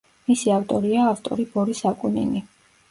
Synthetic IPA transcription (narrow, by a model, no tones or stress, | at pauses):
misiaft̪ʼɔɾiaːft̪ʼɔ̰ɾibɔɾisakʼunḭni